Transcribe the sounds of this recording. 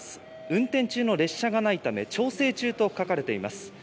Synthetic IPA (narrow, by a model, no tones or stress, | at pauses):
sɨ̥ | ɯ̟̃nt̪ẽ̞ɲt͡ɕɨːno̞ɾe̞ɕːaɡanait̪ame̞̰t͡ɕo̞ːse̞ːt͡ɕɨːt̪o̞kakaɾe̞t̪e̞ima̰sɨ̥